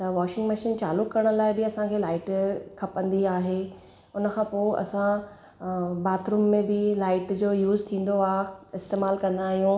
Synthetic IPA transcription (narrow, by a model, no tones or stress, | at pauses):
t̪ɐʋɔːʃɪ̃ŋɡmɐʃiːnt͡ɕaːlʊkːɐɾəɽ̃ʊ̆laːɪbɪɐsãkʰeːlaːɪʈkʰɐpə̃nd̪iaːɦe | ʊnə̆kʰãːpoːɪʔɐ̰sã | baːt̪ɾuːmːẽbɪlaːɪʈd͡ʑoːjuːzt̪ʰĩːn̆d̪oaːɪst̪eːmaːlkɐ̃nd̪aːɦijũ